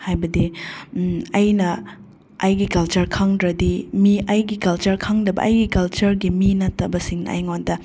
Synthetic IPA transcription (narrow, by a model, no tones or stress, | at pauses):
hajbɐdi | ɐjnɐ | ɐjɡikɐlt͡ʃɐɾkʰaŋdɾɐdimiɐjɡikɐlt͡ʃɐɾkʰaŋdɐbɐ̰ʔɐjɡikɐlt͡ʃɐɾɡiminɐtːɐbɐsiŋnɐ̰ʔɐ̰jŋondɐ